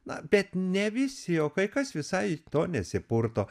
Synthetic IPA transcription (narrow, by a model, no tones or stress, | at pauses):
nɐbʲɛt̪nʲɛʋʲɪsʲɪjoːkɐɪkɐsʋʲɪsɐɪt̪oːnʲɛsʲɪpʊrt̪oː